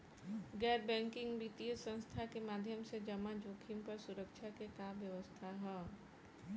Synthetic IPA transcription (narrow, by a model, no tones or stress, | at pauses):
ɡɛːɾbɛ̃ːŋkɪ̃ŋɡbit̪ijəsə̃nst̪ʰakemaːd̪ʱjəmsed͡ʒɐmad͡ʒoːkʰimpɐɾsʊɾəkʃʰakekaːbjəʋəst̪ʰaɦɛː